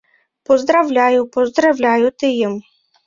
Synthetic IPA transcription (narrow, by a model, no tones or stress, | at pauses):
pɔzd̪ɾɐwlʲajʊpɔzd̪ɾɐwlʲɑjʊt̪ɪjim